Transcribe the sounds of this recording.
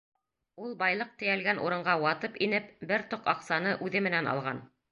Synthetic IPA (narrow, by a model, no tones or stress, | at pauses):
ulˠbɑjlˠɤq̚t̪ɘ̆jælɡænʔṵɾɤ̆ɴɢɑwɑt̪ɤpinɘpbɘɾt̪oqɑqsɑnɤʔʉðɘmɘ̆nænɑ̰lˠʁɑn